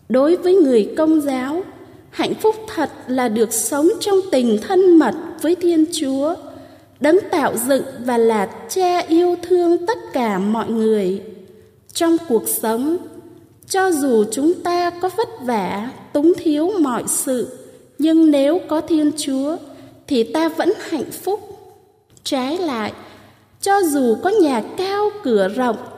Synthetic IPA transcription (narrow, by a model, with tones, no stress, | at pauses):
ɗo˨˦jvəː˨˦jŋɨ˨˩əjkə˧wŋ͡mzaː˨˦w | ha̰˧˨jŋ̟fʊ˦˥k͡p̚t̪ʰə˨˩t̚laː˨˩ɗɨ˨˩ək̚sə˨˦wŋ͡mt͡ɕɔ˧wŋ͡mt̪ï˨˩ŋ̟t̪ʰə˧nmə˨˩t̚vəː˨˦jt̪ʰi˧ənt͡ɕu˨˦ə | ɗə˨˦ŋt̪a̰ː˧˨wzɨ̰˧˨ŋvaː˨˩laː˨˩t͡ɕaː˧ʔi˧əwt̪ʰɨ˧əŋt̪ə˦˥t̚kaː˧˩mɔ̰˧˨jŋɨ˨˩əj | t͡ɕɔ˧wŋ͡mku˨˩ək̚sə˨˦wŋ͡m | t͡ɕɔ˧zu˨˩t͡ɕʊ˨˦ŋ͡mt̪aː˧kɔ˨˦və˦˥t̚vaː˧˩t̪ʊ˨˦ŋ͡mt̪ʰi˨˦əwmɔ̰˧˨jsɨ̰˧˨ | ɲɨ˧ŋne˨˦wkɔ˨˦t̪ʰi˧ənt͡ɕu˨˦ət̪ʰi˨˩t̪aː˧və̰˧˥nha̰˧˨jŋ̟fʊ˦˥k͡p̚ | t͡ɕaː˨˦jla̰ː˧˨jʔ | t͡ɕɔ˧zu˨˩kɔ˨˦ɲaː˨˩kaː˧wkɨ˧˩əzə̰˧˨wŋ͡m